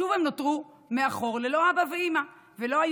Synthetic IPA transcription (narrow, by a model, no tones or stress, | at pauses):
uvemnotʁu | meaχo̞ʁle̞lo̞abaveima | velo̞aj